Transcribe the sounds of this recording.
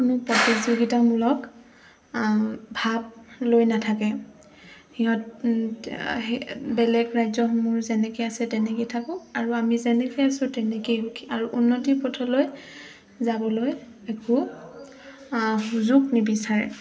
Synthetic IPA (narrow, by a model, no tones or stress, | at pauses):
kʊnʊpɔtikzuɡitamulɔk | bʱab̚lojnatʰakɛ | hiɦɔt | bɛlɛkɹajzɔmuɹzɛnɛkejasɛtɛnɛkejtʰakʊ̃aɹuamizɛnɛkejasʊ̃tɛnɛkejɦukʰi̥aɹuʔunːɔtipɔtʰɔloj | zabɔloj | ɛkʰu | huzuɡnibisaɹɛ̰